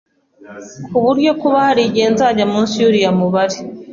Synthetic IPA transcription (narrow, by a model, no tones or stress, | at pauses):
kuβuɾɟo̞kuβahaɾiɟe̞ːnzaɟamuːnsiuɾijamuβaɾi